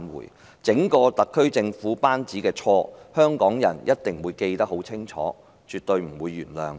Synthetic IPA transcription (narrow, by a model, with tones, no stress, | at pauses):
nwṵ˨˩j | t͡sɪ˨˥ŋkɔː˧t̪ɐ˨kʰːɵ˥ɥt͡sɪ˧ŋfuː˨˥paː˥nt͡siː˨˥kɛː˧t͡ʃʰɔː˧hœː˥ŋkɔː˨˥ŋjɐ˨˩njʔɐ˥t̚t̪ɪ˨ŋwuː˨˧jke˧jt̪ɐ˥k̚ho˨˥wt͡sʰɪ˥ŋt͡ʃʰɔ̰ː˨˥ | t͡ʃyː˨t̚t̪ɵ˧ɥm̩˨˩wuː˨˧jːyː˨˩nlœ̰ː˨˧ŋ